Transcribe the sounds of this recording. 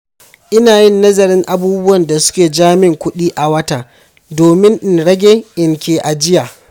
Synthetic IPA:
ʔɪ˦naː˨jɪ˦˨nːɐ˦zɐ˨ɾɪ˦ŋʔa˨buː˦bʊ˦wɐ˨nda˨sʊ̥˦kʲeː˨d͡ʒaː˦mɪ˦ŋkʷʊ˦ɗiː˦ʔa˨wɐ˦ta˨ | doː˨mɪ˦ŋʔɪ˨nɽɐ˦ɡʲeː˦ʔɪ˨ŋkʲeː˨ʔa˨d͡ʒɪ˦jaː˨

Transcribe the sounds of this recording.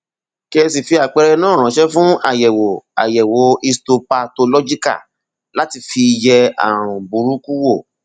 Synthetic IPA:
ki˦e˧si˨fi˧a˨k͡pɛ˧ɾɛ˧nãː˦˨ɾ̃ã˨˦ʃɛ˦fũ˦a̰˦˨jɛ˨wo˨a̰˨jɛ˨wo˨˦i˧sto˧pa˧to˧lɔ˦d͡ʒi˦ka̰˦˨ | la˨˦ti˧˨fi˧jɛ˧a̰˨ɾ̃ũ˨bu˨˦ɾu˨˦ku˦wo˦˨

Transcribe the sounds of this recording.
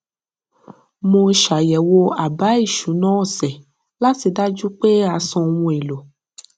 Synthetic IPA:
mõ˧ʃa˨jɛ˨wo˧a˨ba˨˦i˦˨ʃu˨˦nɔ̃˨˦ɔ˦˨sɛ˨ | la˦si˧da˦d͡ʒu˦k͡pe˦a˨˧sɔ̃˧wũ˧e˨lo˨

